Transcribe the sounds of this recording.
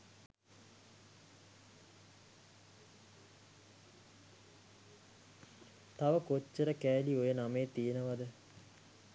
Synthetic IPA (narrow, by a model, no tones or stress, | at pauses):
t̪aʋəkot͡ʃːəɾəkæːliojənameːt̪ijenəʋad̪ə